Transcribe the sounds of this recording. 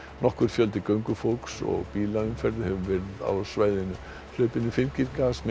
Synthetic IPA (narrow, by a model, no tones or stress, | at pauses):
nɔhkʏɾ̥fjœlt̪ɪkœɥŋkʏfolksɔ̰ɣpiːlaʏmfɛɾðhɛvʏmvɛɾɪða̰wsvaːjðɪnʏ | lœːɥpɪnʏfɪnciɾkasm